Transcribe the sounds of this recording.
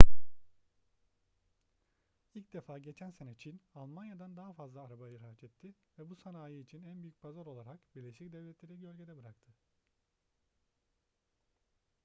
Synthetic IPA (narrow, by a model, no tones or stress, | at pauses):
ilʲcd̪e̞faːɟe̞t͡ʃʰænse̞nɛt͡ʃʰinalˠmanjad̪and̪aɦafazlˠaːɾabajɯɾɦat͡ʃʰɛt̪ʰːɪvɛbusanaːjɯit͡ʃʰinænbyjyc̚pʰazaɾo̞lˠaɾakbiɾlʲeʃic̚d̪ɛvlʲɛt̪lʲeɾiɟø̞lʲɟe̞d̪ɛbɯɾakt̪ʰɯ